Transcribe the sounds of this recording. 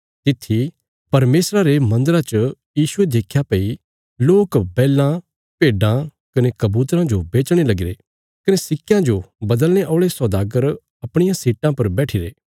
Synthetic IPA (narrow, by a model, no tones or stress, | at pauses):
t̪ɪt̪ʰːi | pɐɾmeːsɾaɾemɐ̃nd̪əɾat͡ʃ | jiːsʊed̪eːkʰjapei | loːkbɛːlã | peːɖã | kɐnekɐbuːt̪ɾãd͡ʒobeːt͡ʃɽ̃elɐɡɪɾe | kɐnesɪkːjãd͡ʒobɐd̪əlñeʔɔːɭesɔd̪aːɡəɾ | ɐpɽ̃ɪjãsiːʈãpɐɾbɛːʈʰiɾeː